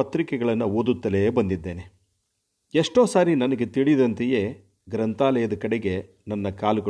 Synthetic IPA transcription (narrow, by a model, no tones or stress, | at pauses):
ɐt̪ɾikɛɡɐɭɐnːɐoːd̪ut̪ːɐleːbɐnd̪id̪ːe̞ːne̞ | eʂʈoːsaːɾinɐnɐɡe̞t̪iɭid̪ɐnt̪eje̞ː | ɡɾɐnt̪aːlɐjɐd̪ɐkɐɽeɡe | nɐnːɐkaːluɡɐ